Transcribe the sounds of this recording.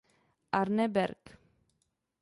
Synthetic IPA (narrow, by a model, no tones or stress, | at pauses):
aɾnebɛɾk